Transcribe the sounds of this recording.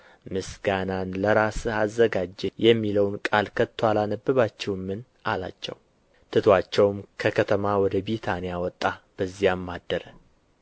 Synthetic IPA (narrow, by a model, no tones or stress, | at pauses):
mɨsɡananləɾasazːəɡad͡ʒɛjɛmːiləwnkʼalkʰət̪ʰːwalanəbːɨβat͡ʃːɛwmːɨn | ala̰t͡ʃːɛ̰w | t̪ʰɨt̪ʰwat͡ʃːɛwmkʰəkʰət̪ʰəmawɔd̪əbit̪ʰanijawɔt̪ʼːab̥əzːijamːad̪ːəɾə